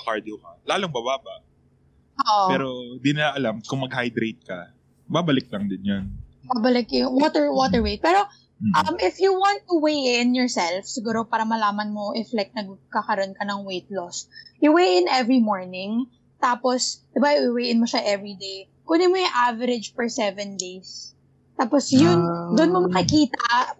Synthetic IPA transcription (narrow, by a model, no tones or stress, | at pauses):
kaɹd̪okɐlaːlʊŋbabaːbɐʔ | ʔopɛːɾoɪnd̪inɪlaʔɐlamkʊŋmɐɡhajd̪ɾejt̪̚kɐ | baːbɐlɪk̚lɐŋd̪ɪnjonbabɐlɪkjʊwot̪ɛɹwot̪ɛɹwejt̪̚pɛːɾo̞ | ʔɐmʔɪfjuwɑnt̪ːuwejɪnjɔɹsɛlfsɪɡuːɾo̞paːɾɐmɐlaːmɐnmoʔɪflɛk̚t̪̚nɐɡ̚kakɐɾonkɐnɐŋwejt̪̚losjʊwejʔɪnʔɛvɹimoɹnɪ̃ŋ | t̪aːposd̪̥ɪbaɪwejɪnmoʃaʔɛvɹid̪ej | kʊnɪmojʊŋʔavɛɾɪd͡ʒfɔɹsɛvɛnd̪ejs | t̪aːposjʊnd̪ʊʔʊnmomɐkɪkiːt̪ɐ